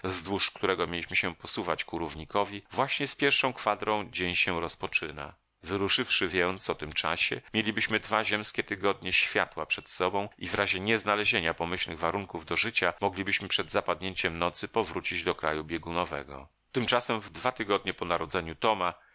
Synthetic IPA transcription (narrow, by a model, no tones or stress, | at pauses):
zd̪wuʂkt̪uɾɛɡɔmʲjelʲiɕmɘɕɛpɔsuvat͡ɕkuɾuvɲikɔvʲivwaɕɲɛspʲjɛɾʂɔ̃w̃kfad̪ɾɔ̃w̃d͡ʑeɲɕɛɾɔspɔt͡ʂɘna̰ | vɘɾuʂɘfʂɘvʲjɛnt̪sɔt̪ɘmt͡ʂa̰ɕɛ̰mʲjelʲibɘɕmɘd̪vaʑɛmskʲɛt̪ɘɡɔd̪ɲɛɕfʲja̰t̪wapʂɛt̪sɔbɔ̃w̃ivɾaʑɛɲɛznalɛʑeɲapɔmɘɕlnɘɣvaɾuŋkuvd̪ɔʐɘt͡ɕamɔɡlʲibɘɕmɘpʂɛd̪zapad̪̚ɲeɲt͡ɕɛmnɔt̪sɘpɔvɾut͡ɕid͡ʑd̪ɔkɾa̰jubʲjeɡunɔvɛ̰ɡɔ̰ | t̪ɘmt͡ʂasɛmvd̪vat̪ɘɡɔd̪̚ɲɛpɔnaɾɔd̪zɛɲut̪ɔma